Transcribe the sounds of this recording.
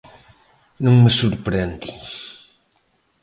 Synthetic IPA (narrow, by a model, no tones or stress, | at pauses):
nũŋməsuɾpɾend̪i